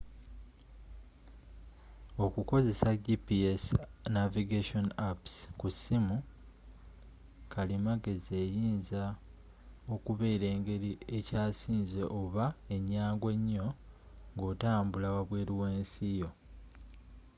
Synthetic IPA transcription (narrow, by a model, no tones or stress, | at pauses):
o̞kuko̞ze̞saɟipiesnaviɡeʃo̞napskusimu | kʰalimaɡe̞ze̞ːjiːnza | o̞kuβe̞ːɾe̞ːŋɡe̞ɾie̞caːsiːnze̞ʔoβae̞ɲːaːŋɡwe̞ɲːo̞ | ŋɡo̞ːtaːmbulawaβwe̞ːɾiwe̞ːnsijo̞